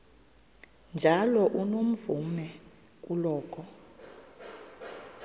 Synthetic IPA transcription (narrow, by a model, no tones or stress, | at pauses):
nd͡ʒʱalɔʔunom̩vumɛ | ulɔːkʰɔ